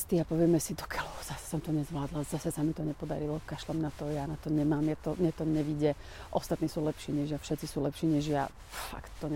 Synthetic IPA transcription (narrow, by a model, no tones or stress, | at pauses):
st̪iapɔʋɛmɛsid̪ɔkʰɛlɔz̥asɛ̥sɔmt̪ɔɲɛzʋlaːd̪lazasɛsamit̪ɔɲɛpɔd̪a̰ɾilɔkaʃlɔmnat̪ɔjanat̪ɔɲɛmaːmjat̪ɔmjɛt̪ɔɲɛʋiɟɛ | ʔɔst̪at̪niːsuːlɛpʃiːɲɛʒjafʃɛt̪t͡sisuːlɛpʃiːɲɛʒja̰ | fa̰kt̪ːɔɲ